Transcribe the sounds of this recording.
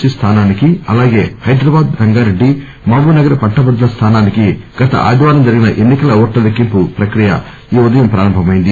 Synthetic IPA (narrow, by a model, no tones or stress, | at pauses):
t͡ʃist̪ʰaːnaːnikiɐlaːɡe̞ːhɐjd̪ɾɐbaːd̪ɾɐŋɡaːɾeɖːi | maːɡuːnɐɡɐɾɐpɐɳʈːɐbɐd̪ːulɐst̪ʰaːnaːnikiɡɐt̪ɐ̰ʔa̰ːd̪iʋaːɾɐmd͡ʒɐɾiɡinɐʔenːikɐlɐoːʈlɐlɐkimpupɾɐkɾijɐ̰ | iːud̪ɐjɐmpɾa̰ːɾɐmbʱɐmɐjind̪i